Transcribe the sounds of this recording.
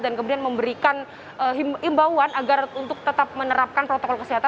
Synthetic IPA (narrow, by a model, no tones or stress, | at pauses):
dankəmudianməmbəɾikan | əɦimimbawanaɡarunt̪ʊk̚t̪ət̪ap̚mənəɾap̚kanpɾot̪okɔlkəsiɦat̪a